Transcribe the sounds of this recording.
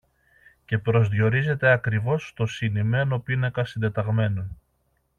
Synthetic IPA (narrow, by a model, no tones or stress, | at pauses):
ce̞pɾo̞zðʝo̞ɾize̞t̪e̞ɐkɾivo̞st̪o̞sinime̞nopinekɐsind̪e̞t̪ɐɣme̞no